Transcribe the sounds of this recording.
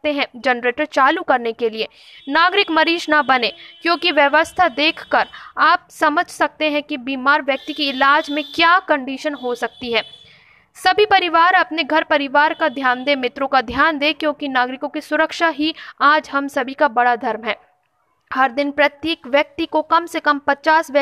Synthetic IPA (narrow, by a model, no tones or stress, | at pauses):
t̪eɦɛ̃d͡ʒɐnɾeːʈəɾt͡ʃaːlukɐɾnekelie | naːɡɾɪkmɐɾiːʃnɐbɐnekjõːkiʋjɐʋəst̪ʰad̪eːkʰkɐɾaːp̚sɐməd͡ʒʱsɐk̚t̪eɦɛ̃kibiːmaːɾʋjɐk̚t̪ikiɪlaːd͡ʒmẽkjaːkɐ̃ɳɖiʃənɦosɐk̚t̪iɦɛː | sɐbʱipɐɾɪʋaːɾɐpneɡʱɐɾpɐɾɪʋaːɾkad̪ʱjaːnd̪emɪt̪ɾõkad̪ʱjaːnd̪eːkjõːkinaːɡɾɪkõkisʊɾəkʃaɦiaːd͡ʒɦɐmsɐbʱikabɐɽad̪ʱɐɾmɦɛː | hɐɾd̪ɪnpɾɐt̪jeːkʋjɐk̚t̪ikokɐmsekɐ̃mpɐt͡ʃaːsʋjə